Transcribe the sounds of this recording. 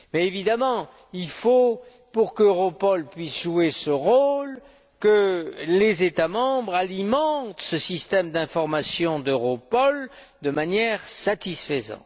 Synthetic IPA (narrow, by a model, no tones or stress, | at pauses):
mɛevid̪amɑ̃ | ilfo | puʁkøʁɔpɔlpɥisʒuesəʁol | kəlezet̪amɑ̃bʁalimɑ̃t̪səsist̪ɛmd̪ɛ̃fɔʁmasjɔ̃d̪øʁɔpɔl | d̪əmanjɛʁsat̪isfəzɑ̰̃t̪